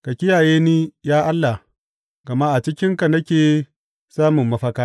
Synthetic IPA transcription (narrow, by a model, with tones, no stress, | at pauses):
ka˨kʲɪ˦jaː˨jeː˦niː˦jaː˦ʔa˦lːa˨ | ɡ̥ɐ˨ma˦ʔa˨t͡ʃɪ˦kʲɪ˦ŋka˨nɐ˦kʲeː˨ | saː˦mʊ˨mːɐ˦ɸɐ˦kaː˦